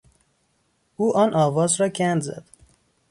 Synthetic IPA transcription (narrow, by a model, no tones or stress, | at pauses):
uːʔɒːnʔɒːvɒːzɾɒːcʰænd̪zæ̰d̪̥